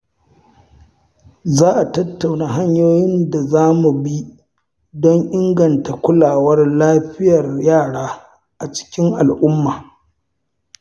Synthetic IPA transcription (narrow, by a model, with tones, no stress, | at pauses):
zaː˦ʔa˨tɐ˦tːa˨wnaː˨ɦa˦ɲjoː˦jɪ˦nda˨zaː˦mu˨bi˦ | dɔ˦ŋʔɪ˦ŋɡɐ˨nta˨kʷʊ˦laː˨wɐ˦rlaː˦ɸɪ˦jɐ˨rjaː˦˨ɽaː˦ | ʔa˨t͡ʃɪ̥˦kʲɪ˦ŋʔa˨lʔʊ˦mːaː˨